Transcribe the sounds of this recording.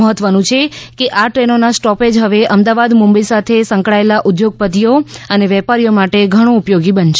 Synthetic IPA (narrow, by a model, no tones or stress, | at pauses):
əɦət̪ʋənũt͡ʃʰekeʔaʈɾenonasʈɔped͡ʒɦəʋeʔəmd̪aʋad̪mũmbəisat̪ʰesə̃ŋkɭaelaʔʊd̪joɡ̚pəd̪ijoəneʋɛpaɾijomaʈeɡʱəɽ̃õupjoɡibənʃe